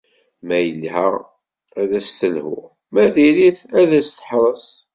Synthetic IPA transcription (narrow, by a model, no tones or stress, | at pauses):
mæjəlːhæ | æðæst̪əlhʊ̰ʁ | mæðiliθæðæst̪ə̥ħɾˤəs